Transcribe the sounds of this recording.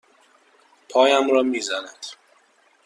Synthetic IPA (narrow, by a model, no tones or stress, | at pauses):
pʰɒːjæmɾɒːmiːzænæd̪̥